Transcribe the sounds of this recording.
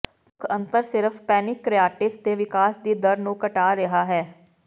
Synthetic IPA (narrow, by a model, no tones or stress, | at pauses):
ʊkʰə̃nt̪əɾsɪɾəfpɛːnɪkːɾɪjaːʈɪst̪eːʋɪkaːsd̪iːd̪əɾnũːkəʈaːɾəɦaːɦɛː